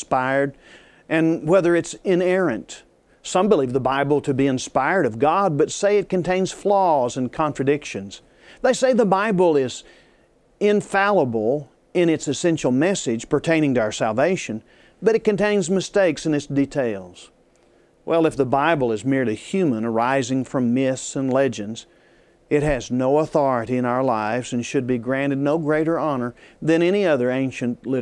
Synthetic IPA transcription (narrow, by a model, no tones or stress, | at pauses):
spaɪə˞d | ʔɨ̃nwɛðə˞ɨtsɪ̃nɛɹɨ̃nt | sʌ̃mbəlivðəbaɪbl̩ˠtʰɨbiɨ̃nspaɪə˞ɾʌvɡɑd̚bʌtseɪɨt̚kɨ̃n̩tʰẽɪ̃nz̥flɔzɨ̃nkʰɑ̃ntɹ̥ɨdɪkʃɨ̃nz̥ | ðeɪseɪðəbaɪbl̩ˠɪz | ɪ̃ɱfælˠəbl̩ˠ | ɪ̃ñɨtsɨsɛ̃nʃl̩ˠmɛsɪd̥ʒ̥pʰə˞tʰẽɪ̃ɾ̃ɪ̃ŋtɨaʊə˞sælˠveɪʃɨ̃n | bʌɾɨt̚kɨ̃ntẽɪ̃nzmɨsteɪksɨ̃nɨtsd̥itʰeɪlˠz̥ | wʔɛlˠɨfðəbaɪbl̩ˠɨzmɪɹlˠihjʉmə̃nə˞aɪzɪ̃ŋfɹʌ̃mːɪssɨ̃nlɛd͡ʒɨ̃nz̥ | ɨt̚ɦɨznoʊəθɔɹɨɾiɨ̃ñaʊə˞laɪvzɨ̃nʃɨd̚biɡɹæ̃ñɨdⁿnoʊɡɹeɪɾə˞ɑnə˞ðɨ̃ñɛɾ̃iʌðə˞ẽɪ̃nʃɨ̃nʔlɪɾ